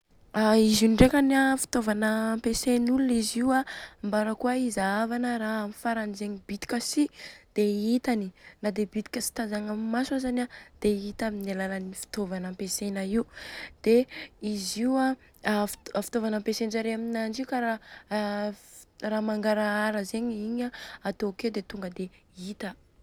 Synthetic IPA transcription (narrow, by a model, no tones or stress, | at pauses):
aizuɖ͡ʐekanafi̥t̪ovanəmpesenuluniziwambaɾəkuaizaavanəɾaamifaɾand͡zeɲibit̪i̥kʲasid̪̥eit̪aninad̪ebit̪i̥kʲəsi̥t̪azaŋamimasazanad̪̥eit̪aminalalanifi̥t̪ovanampesenəiud̪̥eiziwa | fafi̥t̪ovanampesenzaɾeaminand͡ʒiukaɾa | ramaŋɡaɾaaɾəzeɲiɲaːt̪oked̪et̪uŋɡəd̪e | it̪ə